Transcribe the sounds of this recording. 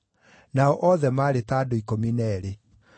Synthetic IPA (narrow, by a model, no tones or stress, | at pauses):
naɔʔɔðɛmaːɾetaːdoikominɛɾe